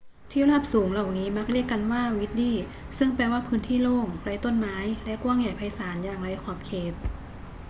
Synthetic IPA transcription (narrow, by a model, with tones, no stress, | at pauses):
t̪ʰi˥˩wlaː˥˩p̚suː˩˦ŋla˨˩wniː˦˥ma˦˥k̚ɾi˥˩əkːa˧nwaː˥˩wi˦˥t̪̚diː˥˩ | sɯ˥˩ŋpɛː˧waː˥˩pʰɯː˦˥nt̪ʰiː˥˩loː˥˩ŋɾa˧˥jt̪o˥˩nmaː˦˥jlɛ˦˥kwaː˥˩˨ŋja˨˩jpʰa˧jsaː˩˦njaː˨˩ŋɾa˧˥jkʰɔː˨˩p̚kʰeː˨˩t̪̚